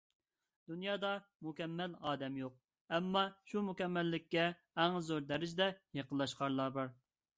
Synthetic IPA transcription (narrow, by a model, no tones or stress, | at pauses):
d̪̥unjɑːd̪ɑmukʲɛmːɛlɑːd̪ɛmjoq̚ | ɛmːɑʃumukʲɛmːɛlːɪkʲːɛ | æŋzoɾd̪ɛɾɪd͡ʒd̪ɛjeqəlˠːɑʃqʰɑɾlˠɑɾbɑɾ